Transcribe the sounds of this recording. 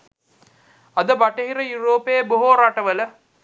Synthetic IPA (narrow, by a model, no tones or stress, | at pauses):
ɐðɐbɐʈːɐɣɪɾɐjuɾoːpeːbʊɦoːɾaːʈːɐʋɐlɐ